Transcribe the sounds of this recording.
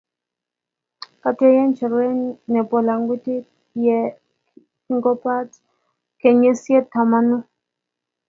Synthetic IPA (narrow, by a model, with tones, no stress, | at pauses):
ka˨tɛ˦jɛ˦nt͡ʃɛ˨ɾɛ˦nɛ˨pɔ˨la˨ŋɡu˦ti˦ | jɛ˨˦ | ŋɡɔ˦pa˦t | kɛ˨ɲɛ˦sjɛ˦ta˨ma˨nu˦